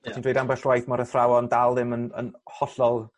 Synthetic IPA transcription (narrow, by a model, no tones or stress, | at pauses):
tʰindwejdambɛɬwajθmɔɾəθrawɔndalˠðɪmənə̰nhɔɬɔlˠ